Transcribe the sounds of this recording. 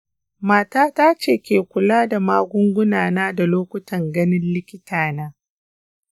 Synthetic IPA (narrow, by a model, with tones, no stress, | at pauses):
maː˦taː˦taː˦t͡ʃeː˦˨kʲeː˨kʷʊ˨laː˦da˨maː˦ɡʷʊ˦ŋɡʷʊ˦naː˨naː˦da˨loː˦kʷʊ˦tʰɐ˨ŋɡɐ˦nɪ˦nlɪ˦kʲɪ˦tʰaː˨naː˦